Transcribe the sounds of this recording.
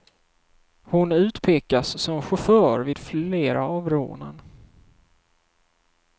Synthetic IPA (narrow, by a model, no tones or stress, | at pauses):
hʊnʉ̟ːt̪pʰeːkasːɔmɧʊfœːɾvɪːd̪̥feːɾaːvɾo̰ːnə̰n